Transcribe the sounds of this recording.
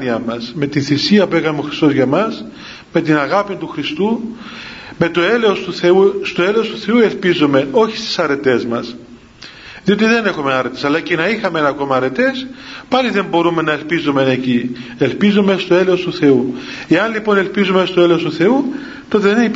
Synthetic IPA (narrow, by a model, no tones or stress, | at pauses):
iɐmɐsme̞t̪inθisiɐpue̞kɐmeo̞xɾist̪o̞zʝɐmɐs | me̞t̪inɐɣɐpint̪uxɾist̪u | me̞t̪o̞e̞leost̪uθe̞ust̪oe̞leost̪uθe̞ue̞lpizome̞o̞çi̥st̪i̥sɐɾe̞t̪e̞zmɐs | ðio̞t̪iðe̞ne̞xomenɐɾe̞t̪e̞sɐlːɐcenɐixɐmeenɐko̞mɐːɾe̞t̪e̞spɐliðe̞mbo̞ɾume̞nɐe̞lpizome̞necie̞lpizome̞st̪o̞e̞leost̪uθe̞ue̞ɐnlipo̞ne̞lpizumest̪oe̞leost̪uθe̞u | t̪o̞t̪eðeneip